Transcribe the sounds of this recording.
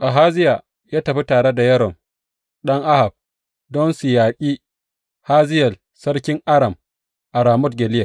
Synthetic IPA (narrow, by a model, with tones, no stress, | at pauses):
ʔa˨ɦaː˦zɪ˦ja˨ | jaː˦tɐ˨ɸi˦taː˨ɽe˦da˨jɐ˦ɾɔ˨m | ɗɐ˦ŋʔa˦ha˨b̚ | dɔ˦nsɪ˨jaː˨kʲʼiː˦ | haː˦zɪ˦jɐ˨l | sɐ˦ɽkʲɪ˦ŋʔa˦ɽɐ˨m | ʔa˨ɾaː˨mʊ˦tɡʲɛ˨lɪ˦ja˨